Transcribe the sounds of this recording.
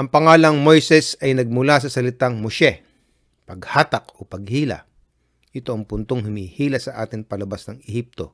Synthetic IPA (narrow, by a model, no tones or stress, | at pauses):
ʔɐŋpɐŋaːlɐŋmojsɛsɐjnɐɡ̚mʊlasɐsɐlɪt̪aŋmoʃɛ | pɐɡhaːt̪ɐkopɐɡ̚hiːlɐ̰ | ʔɪt̪oʔɐŋpʊnt̪oŋɦʊmiːhiːlɐsɐʔa̰ːt̪ɪŋpɐlɐbasnɐŋɛhip̚t̪o̞